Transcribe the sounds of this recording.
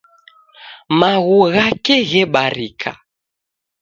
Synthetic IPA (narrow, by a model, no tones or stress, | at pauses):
maɣuɣakɛɣɛɓaɾikʰa̰